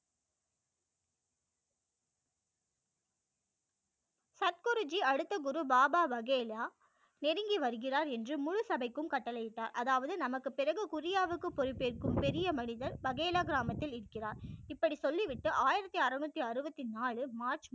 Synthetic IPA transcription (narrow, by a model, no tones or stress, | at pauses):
sɐt̪̚kʊɾɯd͡ʒiɐɽɯt̪ːɐɡʊɾubaːbaːʋɐɣeːlaː | nɛɾɪŋɡiʋɐɾɯɣɪraːɾɛndrɯmʊɻʊsɐbɐɪkːɯmkɐʈːɐlɐjɪʈːaːɾʔɐðaːʋɐðɯnɐmɐkːɯpɪrɐɣɯkʊɾɪjaːʋɯkːɯpːɔɾɪpːeːrkɯmpɛɾɪjɐmɐnɪðɐɾʋɐɣeːlaːɡɪɾaːmɐt̪ːɪlɪɾɯkːɪraːɾɪpːɐɽisɔlːiʋɪʈːɯʔaːjɪɾɐt̪ːiɐɾɐnuːt̪ːiɐɾɯbɐt̪ːinaːɭɯmaːɾt͡ʃ